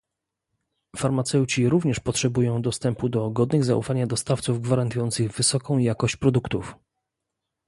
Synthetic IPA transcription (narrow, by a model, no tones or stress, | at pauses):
faɾmat̪sɛwt͡ɕiɾuvɲɛʂpɔtʂɛbujɔ̃w̃d̪ɔst̪ɛmpud̪ɔɡɔd̪nɘɣza̰ʔṵfaɲad̪ɔst̪aft̪suvɡvaɾant̪ujɔnt̪sɘɣvɘsɔkɔ̃w̃jakɔɕt͡ɕpɾɔd̪ukt̪uf